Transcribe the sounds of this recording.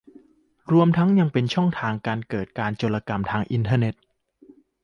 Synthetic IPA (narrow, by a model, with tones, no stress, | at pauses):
ɾu˧əmt̪ʰa˦˥ŋja˧ŋpe˧nt͡ɕʰɔ˥˩ŋt̪ʰaː˧ŋkaː˧nkɤː˨˩t̪̚kaː˧nt͡ɕoː˧la˧ka˧mt̪ʰaː˧ŋʔi˧nt̪ʰəː˧ne˨˩t̪̚